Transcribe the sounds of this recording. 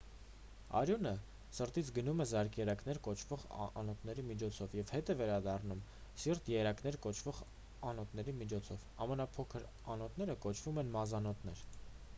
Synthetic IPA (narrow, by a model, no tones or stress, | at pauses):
ɑ̰ɾjunə | səɾt̪it͡sʰɡənumɛzɑɾkjɛɾɑknɛɾkɔt͡ʃʰvɔʁɑnɔt̪nɛɾimit͡ʃʰɔt͡sʰɔvjɛvhɛt̪ɛvɛɾɑd̪ɑrnumsiɾt̪jɛɾɑknɛɾkɔt͡ʃʰvɔʁ | ɑnɔt̪nɛɾimit͡ʃʰɔt͡sʰɔvɑmənɑpʰɔkʰəɾ | ɑnɔt̪nɛɾəkɔt͡ʃʰv̥umɛnmɑzɑnɔt̪nɛɾ